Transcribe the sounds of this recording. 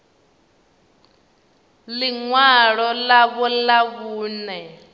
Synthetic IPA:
liŋwaɺɔlaβɔlaβuːnɛ

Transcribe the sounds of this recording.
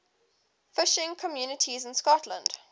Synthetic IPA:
fɪʃɪ̃ŋkʰɔmjuːnɪtʰizɪ̃nskɔtʰlə̰̃nd̥

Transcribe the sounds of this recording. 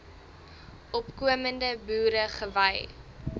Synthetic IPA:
ʔɔpkuəməndəbuːɾəχəvɐj

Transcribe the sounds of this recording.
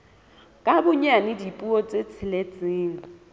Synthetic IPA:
kʼabʊɲanɪdipʼuɔt͡sʼet͡sʰɪlet͡sʼɪːŋ̩

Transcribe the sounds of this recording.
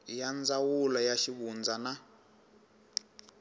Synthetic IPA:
jand͡zawulɔjaʃiɓund͡zana

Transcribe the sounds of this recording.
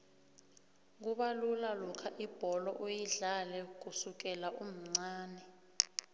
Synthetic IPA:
k̬uɓalulalɔkʰaʔib̥ʱɔlɔʔojiɮalɛk̬usuk̬ɛlaʔum̩ŋ͡ǀaːnɛ

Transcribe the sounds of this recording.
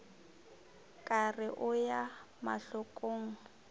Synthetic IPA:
kʼarɪʔʊja | ma̰ɬʊkʼoːŋ̩

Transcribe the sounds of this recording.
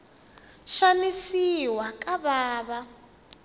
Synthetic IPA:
ʃanisiwakʼaβaːβa

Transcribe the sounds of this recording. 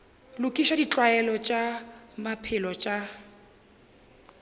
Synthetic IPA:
lʊkʼiʃadit͡ɬʼwaɛlɔt͡ʃʼamapʰɪlɔt͡ʃʼa

